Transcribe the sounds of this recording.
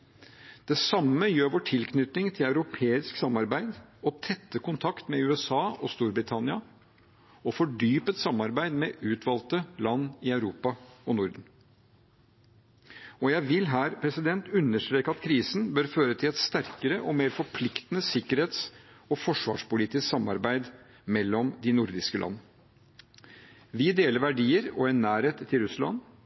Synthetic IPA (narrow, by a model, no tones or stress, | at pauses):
d̪̥ɛsɑmːəjøːɾʋoːʈʰɪlkʰnʏt̪nɪŋt̪ʰɪlæʉɾʊpʰeːɪsksɑmɑɾbæɪd̪ɔt̪ʰɛt̪ːəkʊnt̪ʰɑkt̪mɛʉːɛsɑːʔɔst̪uːɾbɾɪt̪ʰɑnɪɑ | ɔfɔɖyːpət̪sɑmːɑɾbæɪd̪mɛʉːt̪ʰʋɑlt̪əlɑnːɪɑʉɾuːpɑɔnʊɾd̪n̩ | ɔjæɪʋɪlɦæːɾpʰɾɛsɪd̪ɛnt̪ʉnːəʂʈɾeːkəɑt̪kʰɾiːsn̩bøɾføːɾət̪ʰɪlɛt̪st̪æɾkəɾəʔɔmeːɾfɔɾpʰlɪkt̪ənəsɪkːəɾheːt̪s | ɔfɔʂʋɑ̰ːʂpʊliːt̪ɪsksɑmːɑɾbæɪd̪ | mɛlːɔmd̪ɪnʊɾd̪ɪskəlʔɑ̰nːə | ʋɪd̪eːləɾʋæɖiːəɾɔɛnːæːɾheːt̪ʰːɪlɾʉslɑ̰n